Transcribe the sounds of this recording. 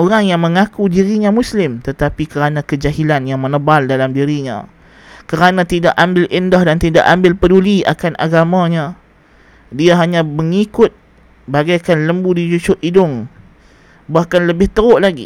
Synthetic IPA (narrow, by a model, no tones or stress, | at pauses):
ʔoɾaŋjaŋmə̃ŋakudiɾiɲãmuslɪmt̪ət̪apikəɾanãkəd͡ʒaɦilanjaŋmənəbaldalamdiɾiɲã̰ | kəɾanãt̪idaʔambɪlindahdant̪ida̰ʔambɪlpədulia̰kanʔa̰ɡamãɲã | diaɦaɲãməŋikʊt̪̚ | baɡajkanləmbudid͡ʒut͡ʃʊʔʔidʊŋ | bahkanləbɪht̪əɾʊʔlaɡḭ